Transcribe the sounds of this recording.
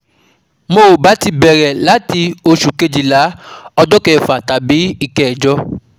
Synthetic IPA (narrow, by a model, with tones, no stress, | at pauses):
mo˨ba˨˦ti˧bɛ˨ɾɛ˨la˨˦ti˧o˧ʃu˨ke˧d͡ʒi˨la˨˦ɔ˧dɔ˦kɛ˨fa˨ta˨˦bi˨˦i˧kɛ˦ɛ˨d͡ʒɔ˦